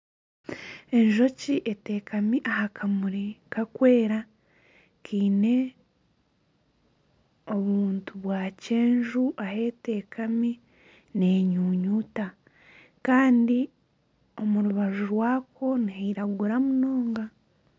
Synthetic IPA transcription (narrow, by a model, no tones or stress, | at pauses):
e̞ɲʒo̞ciʔete̞ːkamiʔahakʰamuɾikakwe̞ːɾa | kiːne̞ | o̞βuːntuβwaːce̞ːɲʒuʔahe̞te̞ːkʰami | neːɲuːɲuːta | kaːndi | o̞muɾuβaʒuɾwaːko̞nihaiɾaɡuɾamuno̞ːŋɡa